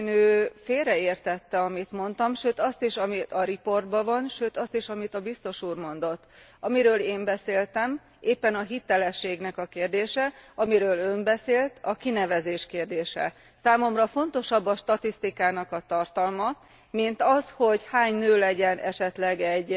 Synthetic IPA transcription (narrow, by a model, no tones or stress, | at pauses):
nøːfeːlɾɛeːrt̪ɛt̪ːɛɒmit̪mo̞nt̪ɒmʃøːt̪ɒst̪iʃɒmiɒɾipo̞rd̪̚bɒvɒnʃøːt̪ɒst̪iʃɒmit̪ɒbist̪o̞ʃuːrmo̞n̪d̪o̞t̪ːɒmiɾøːleːmbɛseːlt̪ɛm | ʔeːpːɛnɒɦit̪ɛlɛʃːeːɡnɛkɒkeːrd̪eːʃɛɒmiɾøːlø̞mbɛseːlt̪ɒkinɛvɛzeːʃkeːrd̪eːʃɛ̰ | saːmo̞mrɒfo̞nt̪o̞ʃɒbːɒʃt̪ɒt̪ist̪ikaːnɒkɒt̪ɒrt̪ɒlmɒ | mint̪ɒsho̞ɟhaːɲnøːlɛɟɛnʔɛʃɛt̪lɛɡɛɟ